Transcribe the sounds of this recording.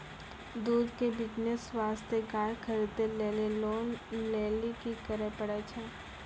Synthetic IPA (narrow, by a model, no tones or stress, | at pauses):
d̪uːd̪kebɪd͡ʒnəsʋaːst̪ʰekaːɾkʰəɾt̪eleːleloːnleːlikikəɾəpəɽat͡ʃʰɛː